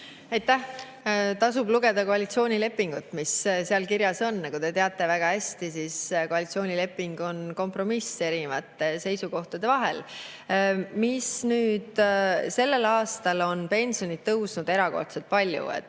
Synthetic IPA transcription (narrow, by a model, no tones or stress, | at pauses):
ɑjt̪ːæh | t̪ɑsubluɡ̥e̞d̪ɑko̞ɑlʲit̪sio̞ːnʲile̞pːˑiŋɡ̥ut̪ːˑmisseɑlkiɾjɑso̞nːɑkud̪e̞t̪e̞ɑt̪ːˑe̞væɡ̥ɑæsʲt̪isisko̞ɑlit̪sio̞ːnʲile̞pˑːiŋɡ̥o̞nko̞mpro̞mise̞ɾinevɑt̪ˑːe̞se̞jsuko̞ht̪ɑd̪e̞vɑɦe̞̰l | misnyːd̪̥se̞lːe̞lɑːst̪ɑlo̞npe̞nsio̞nit̪̚t̪ːɤwsnud̪e̞ɾɑko̞̰rt̪se̞lt̪̚pɑlʲjṵḛt̪